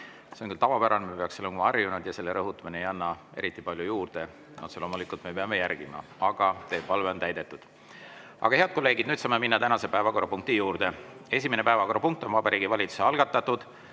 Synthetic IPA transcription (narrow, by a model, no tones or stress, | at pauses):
seoŋkylt̪ɑvɑpæɾɑnmepe̞ɑkselːekumɑɑrjunud̪̥jɑse̞lːe̞ɾɤɦut̪ːˑumineejɑnːɑe̞̰ɾit̪ːˑipɑlʲjujuːrd̪̥e̞ | nʔo̰t̪selo̞ːmulikːˑult̪mepeɑme̞jærɡ̥imɑ̰ɑɡ̥ɑt̪e̞ːpɑlve̞ont̪æjd̪e̞t̪ːˑud̪̥ | ɑ̰ɡ̥ɑeɑd̪̚ko̞lːe̞ːɡ̥id̪nyːd̪sɑːme̞minːɑt̪ænɑse̞pævɑko̞ɾɑpuŋk̚t̪ijuːɾd̪̥e̞e̞s̬ʲimenepæevɑko̞ɾɑpuŋk̚t̪ːˑo̞nvɑbɑɾiːɡ̥ivɑlʲit̪su̥se̞ɑlɡ̥ɑt̪ːˑɑt̪ːud̪̥